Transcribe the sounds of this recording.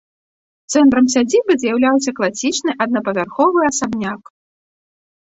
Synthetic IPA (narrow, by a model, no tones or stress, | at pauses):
t̪sɛnt̪ɾɐms̬ʲad͡zʲibɨzʲjawlʲawsʲɐklˠasʲit͡ʂnɨʔɐd̪̚nɐpɐvʲarxɔvɨɐsabnʲak